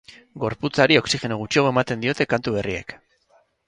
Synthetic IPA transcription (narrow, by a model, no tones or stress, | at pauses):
ɡo̞ɾput͡saɾio̞ksixe̞noɣut͡ʃioɣoe̞mat̪e̞nd̪io̞t̪e̞kant̪uβe̞rie̞̰k